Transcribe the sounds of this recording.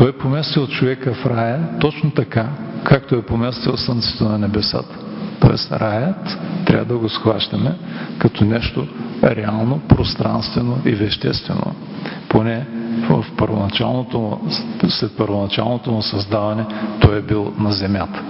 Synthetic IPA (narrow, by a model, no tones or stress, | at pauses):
t̪ɔɛpomɛst̪iot̪t͡ʃovɛkəfɾajət̪ɔt͡ʃnot̪ɐkakʰak̚t̪oɛpomɛst̪ilˠsənt̪sɛ̥t̪ənɐnɛbɛsa̰t̪ə̥t̪o̰ɛ̰sɾajət̪ːɾʲa̰vəd̪ɐɡosxvaʃt̪ɐmɛkɐt̪ʰɔnɛʃt̪oɾɛalˠnopɾost̪ɾa̰nst̪vɛnoivɛʃt̪ɛ̰st̪vɛ̰no̰ | ponɛvɐfpəɾvo̰nɐt͡ʃa̰lˠnot̪o̰slɛt̪̚pəɾvonɐt͡ʃa̰lˠnot̪omʊsɐzd̪avɐnɛt̪ɔjɛbilˠnɐzɛmʲjat̪ə̥